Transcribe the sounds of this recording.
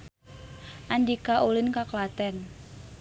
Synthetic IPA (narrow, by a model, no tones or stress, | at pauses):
ʔandikaʔulinkaklat̪ɛn